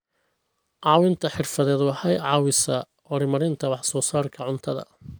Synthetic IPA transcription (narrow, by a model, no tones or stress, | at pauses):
ʕɑːwɪnt̪ʰɐħɪrfɐðɛːd̪wɑħɐjʕɑːwɪsɐ | hɔɾɪmɐɾɪnt̪ʰɐwɑħsɔːsaːrkʰɐʕʊnt̪ʰɐðɐ̰